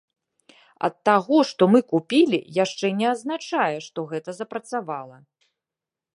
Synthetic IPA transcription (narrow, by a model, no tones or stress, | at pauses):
ɐ̰t̪ːaɣɔʂt̪ɔmɨkupʲilʲḭjaʂt͡ʂɛnʲɛɐznat͡ʂajɛʂt̪ɔɣɛt̪ɐzɐpɾɐt̪savalˠɐ